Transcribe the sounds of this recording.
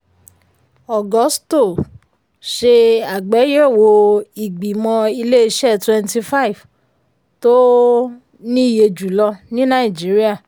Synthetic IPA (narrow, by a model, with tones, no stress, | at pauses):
ɔ˨ɡɔ˨˦sto˦˨ | ʃe˧a˨ɡ͡bɛ˨˦jɛ˦˨wo˧i˨ɡ͡bi˨mɔ̃˧i˧le˦i˧ʃɛ˦˨twɛ˧nti˧fa˦i˨v | to˦ | nĩ˦˨je˧d͡ʒu˨lɔ˧nĩ˦nã˦i˨d͡ʒi˨˦ɾi˦a˦˨